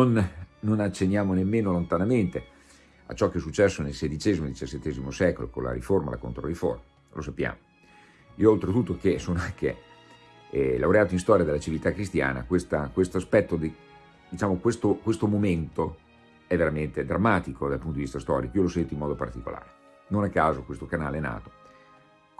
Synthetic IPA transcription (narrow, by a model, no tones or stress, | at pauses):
nonːonat͡ʃːenːjaːmonemːeːnolont̪anament̪e | a̰t͡ʃɔkːeɛs̬ut͡ʃːɛsːonelsed̪it͡ʃɛːzimod̪it͡ʃasːet̪ːɛːzimosɛkolo̰ko̰la̰ɾiforma̰la̰ko̰nt̪ɾorifo̰rma | lʔo̰sapːja̰ːmo | ioolt̪ɾet̪ut̪ːokesoːnoaŋkḛ | lawɾeaːt̪oĩnst̪ɔːɾjad̪elat͡ʃivilt̪akːɾist̪ja̰ːna̰kwest̪akwest̪oaspɛt̪ːod̪ | d̪it͡ʃaːmokwest̪okwest̪omoment̪o | ɛveɾament̪ed̪ɾamːaːt̪ikʰod̪alpunod̪ivist̪ast̪ɔ̰ːɾikoiolosɛnt̪oimɔːd̪opart̪iko̰la̰ːɾe | nonakaːzokwest̪okanaːleɛna̰ːt̪o̥